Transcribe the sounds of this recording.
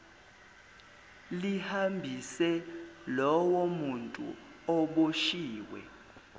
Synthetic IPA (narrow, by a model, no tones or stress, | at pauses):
lihambʱisɛlɔwomuntʼṵɔɓoʃiːwɛ̰